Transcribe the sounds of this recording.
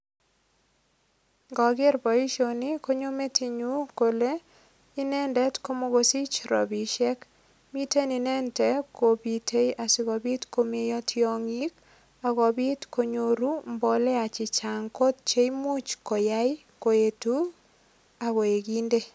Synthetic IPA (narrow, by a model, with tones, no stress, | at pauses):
ŋɡɔ˨ɡɪ˦ɾbɔ˨i˦ʃoni˦ko˦ɲo˦me˦ti˨ɲu˦ko˨le˦ | i˦nɛ˦ndɛ˦tko˦mo˦ɣosi˦t͡ʃɾɔ̰˨bi˨ʃɛ˦k | mi˦te˦ni˨nɛ˦ntɛ˦ko˨bi˨tʰe˦ja˨si˨ɣɔ˨bi˦tko˦me˦jɔtʰjɔŋik | a˨ɣɔ˨bi˦tkʰo˨ɲoɾu˦mbɔ˨lɛ˦a˨t͡ʃi˨t͡ʃaŋko˦t̚t͡ʃe˦imu˦t͡ʃko˨ja˦j | ko˨e˨tu | a˨ɣɔ˨e˨ɡinde˦